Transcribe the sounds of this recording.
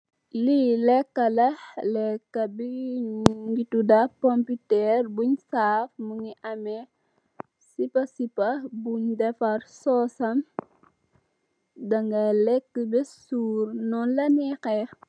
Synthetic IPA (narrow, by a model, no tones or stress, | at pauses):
lilɛkːɐlɐlɛkːɐbi | ŋɡitudɐpɔmpitɛrbuɲsaːfmuŋiʔɐmɛ | sipɐsipɐbuɲdɛfɐrsɔsɐm | dɐŋɡɐlɛkːəbɛsuːɾnɔnlɐnɛkɛ